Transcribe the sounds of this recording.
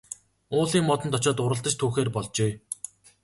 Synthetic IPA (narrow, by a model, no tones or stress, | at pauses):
ʊːɮiːŋmɔt̪ɞ̆nt̪ʰɔt͡ɕɔːt̪ʊɾə̆ɬt̪ə̆t͡ɕt̪ʰuːxeːrpɔɮt͡ɕeː